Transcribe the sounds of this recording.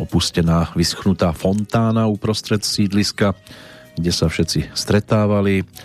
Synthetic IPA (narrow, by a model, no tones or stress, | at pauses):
ɔpuscɛnaːʋisxnut̪aːfɔnt̪aːnaupɾɔst̪ɾɛt̪siːd̪liska | ɡɟɛsafʃɛt͡sist̪ɾɛt̪aːʋali